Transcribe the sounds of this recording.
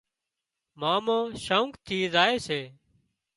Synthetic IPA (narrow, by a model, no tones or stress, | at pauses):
maːmõːʃəuŋkt̪ʰiːzaːeːseː